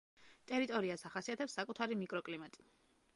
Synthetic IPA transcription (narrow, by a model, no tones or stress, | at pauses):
t̪ʼɛɾit̪ʼɔɾiasaχasiat̪ʰɛpsːakʼut̪ʰaɾimikʼɾɔkʼlimat̪ʼi̥